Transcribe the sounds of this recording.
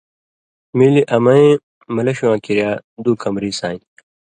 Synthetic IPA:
miːliʔɐmɐẽ | mɐlɐɕuãːkiɾjaːd̪uːkɐmɾiːsaːĩ

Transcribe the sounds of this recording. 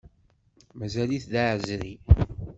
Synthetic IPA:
mæzæliθðaʕzɾi

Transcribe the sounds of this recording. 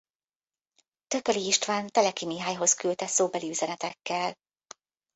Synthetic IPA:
t̪ø̞køliiʃt̪ʋaːnt̪ɛlɛkimiɦaːjɦo̞skylt̪ɛsoːbɛliyzɛnɛt̪ɛkːɛl

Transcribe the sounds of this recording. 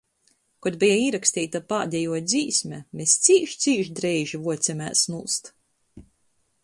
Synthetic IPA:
kɔd̪bʲɛjaiːɾakst̪iːt̪apaːd̪ʲɛjuɔd̪ziːsʲmʲɛmest̪sʲiːʃt̪sʲiːʃd̪ɾɛjʒivuɔt̪sʲɛmʲæːsnulˠst̪

